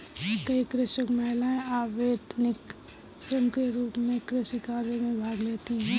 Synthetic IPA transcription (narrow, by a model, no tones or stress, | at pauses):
kɐikɾɪʃəkmɛɦɪlaẽaːʋeːd̪nɪk | səmkeɾuːpmẽkɾɪsikaːɾemẽbʱaːɡleːt̪iɦɛ̃ː